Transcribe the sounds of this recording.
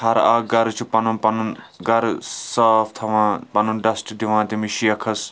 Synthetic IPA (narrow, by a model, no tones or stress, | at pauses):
ɐɾaːɡɐɾt͡ʃʰupɐnɐnpɐnunɡɐɾsɐːft̪ʰɐʋãːpɐnunɖɐsʈd̪iʋãːt̪imiʃijɐkʰɐs